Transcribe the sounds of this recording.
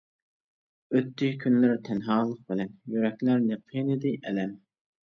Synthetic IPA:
øt̪ːɪkʲʰynlɪɾt̪ʰɛnɦɑːlˠəq̚bɪlɛnjøɾɛkʲlæɾnɪpʰenɪd̪ɪʔɛlɛm

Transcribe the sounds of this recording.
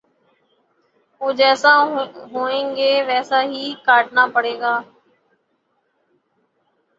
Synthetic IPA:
oːd͡ʒɛːsaːɦoːẽːŋɡeːʋɛːsaːɦiːkaːʈnaːpəɽeːɡaː

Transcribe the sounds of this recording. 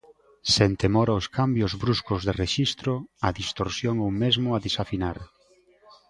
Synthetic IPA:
sent̪emɔɾaoskambjʊzβɾuskʊzðereʃist̪ɾoɐðist̪oɾsjoŋowmezmʊaðisafinaɾ

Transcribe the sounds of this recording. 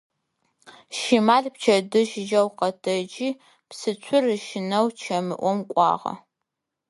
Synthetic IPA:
ʃimaːɮpt͡ʃʰɐdɨʃɪd͡ʒɐwqɐtʰɐd͡ʒiː | psɨt͡ʃʷʰʊrɨʃɪnɐwt͡ʃʰɐmɨʔʷɔmkʷʼɑ̰ːʁɐ̰

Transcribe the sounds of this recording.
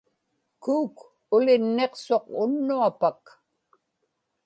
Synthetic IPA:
kuːk | ʊlɪnːe̞qso̞qʊnːuapak

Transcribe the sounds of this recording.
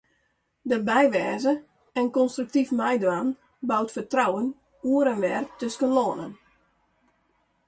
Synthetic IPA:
dəbɛjʋɛːzə | ɛnkɔnstryk̚tifmɛjdəan | bawtfərtrawən | uəɾɛnʋɛrtøskənloənən

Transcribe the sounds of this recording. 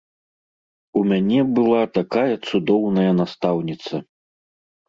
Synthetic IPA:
umʲanʲɛbɨlˠat̪akajɐt̪sud̪ɔwnɐjɐnast̪awnʲit̪sɐ

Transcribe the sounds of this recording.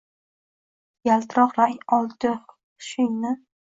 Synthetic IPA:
jalt̪ɾɒqɾaŋɒlˠt̪ɪ | ʃʊjnɪ

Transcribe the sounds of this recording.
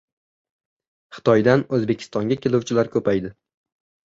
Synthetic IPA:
χɨ̥t̪ʰɒjd̪anɵzbe̞kʲʰɪ̥st̪ɒŋɡʲakʲʰe̞lʊwt͡ʃʰɪlaɾkʰɵpajd̪ɪ

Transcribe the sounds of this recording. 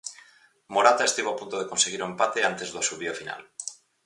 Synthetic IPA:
moɾat̪ae̞st̪iβoapunt̪o̞ð̞eko̞nse̞ɣ̞iɾuempat̪eant̪e̞zðosuβiofina̰l

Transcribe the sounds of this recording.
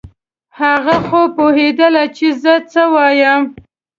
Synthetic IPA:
haɣaxopoɦed̪əlat͡ʃezət͡səwɑjəm

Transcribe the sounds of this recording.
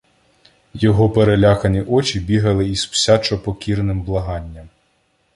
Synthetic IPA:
jɔɦɔpeɾelʲakɐnʲiʔɔt͡ʃʲibʲiɦɐlˠɪizpsʲat͡ʃɔpɔkʲiɾnɪmblˠɐɦɑnʲːɐm

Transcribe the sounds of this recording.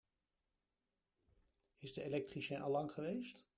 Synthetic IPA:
ɪzdəelɛk̚triʃɛnʔɑ̰lɑŋχəʋejst

